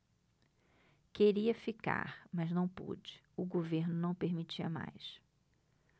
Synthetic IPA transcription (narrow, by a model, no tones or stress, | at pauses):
keɾiɐfika̰ɾmɐznɐ̃w̃pṵd͡ʒɪ̥ | ʊɡoveɾnʊnɐ̃w̃peɾmit͡ʃiɐ̰ma̰js